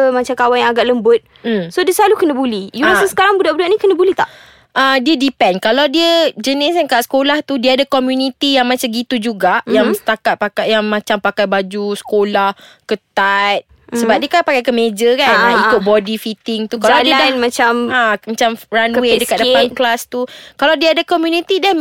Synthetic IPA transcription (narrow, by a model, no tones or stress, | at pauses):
əmat͡ʃamkawanjaŋaɡaʔləmbʊt̪̚ | m̩sodiəsəlalukənə̃bulijuasəsə̥kaɾaŋbudaʔbudaʔnikənəbulit̪a̰ʔ | ʔədiədipɛnkalawdiəd͡ʒənɪs̬ankaʔsə̥kolaht̪udiəadakɔmjunit̪ijaŋmãt͡ʃamɡit̪ud͡ʒuɡaʔjaŋsə̥t̪akat̪̚pakajaŋmãt͡ʃampakajbad͡ʒusə̥kolah | kət̪at̪̚ | səbap̚diəkapakajkəmed͡ʒəkanaikʊt̪̚bɔdifit̪ɪŋt̪ukaladiədamat͡ʃamamat͡ʃamranwedəkat̪̚dəpanklast̪ukalawdiəadakɔmjunit̪idan